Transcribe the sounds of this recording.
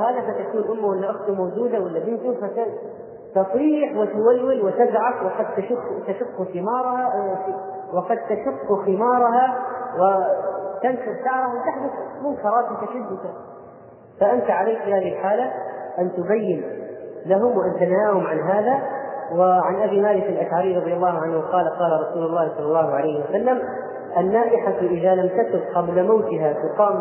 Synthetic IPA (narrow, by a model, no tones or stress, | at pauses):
haːðafat̪akuːnʔʊmːawalːaʔʊxt̪ʊmawd͡ʒuːd̪awalːabɪnt̪ʊfat̪a | t̪ɑsˤɾiːħwɪt̪ʊwalːɪlwɪt̪azʕafwɪqɑd̪̚t̪aʃʊt̪aʃʊqːuxɪmɑːɾˤɑha | wɪqɑd̪̚t̪aʃʊqːuxɪmɑːɾˤɑɦawɪt̪anʃʊɾtɑʕɾˤɑhawt̪ɪħd̪ʊθmʊmkɑɾˤɑːt̪t̪aʃad̪ːʊd̪a | faʔant̪aʕalajkfiːhaːðɪhɪlħaːlaʔant̪ʊbajːɪnlaɦʊmwʔant̪anhaːhʊmʕanɦaːðawɪʕanʔabiːmaːlɪkalʔaʃʕaɾiːɾˤɑd̪ˤjɑlːɑːhʊʕanhʊqɑːlaqɑːlaɾˤɑsuːlʊlˤːɑːhsˤɑlːɑlˤːɑːhʊʕalajhɪwasalːam | ʔanːaːʔɪħaʔɪðalamt̪at̪ʊbqɑblamawt̪ɪɦat̪ɪqɑːm